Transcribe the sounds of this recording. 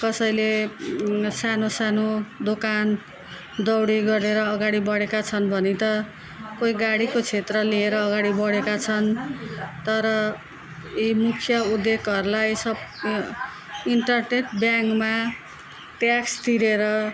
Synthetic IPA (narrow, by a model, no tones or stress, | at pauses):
kʌsʌjle | sanosanod̪okan | d̪ʌwɽiɡʌɾeɾʌːɡaɽibʌɽekat͡sʰʌnbʱʌnit̪ʌ | koiɡaɽikot͡sʰet̪rʌlieɾʌːɡaɽibʌɽekat͡sʰʌn | t̪ʌɾʌ | imukʰjʌud̪ːekʌɾulajsʌb | iɳʈʌrneʈbjaŋkma | ʈjakst̪iɾeɾʌ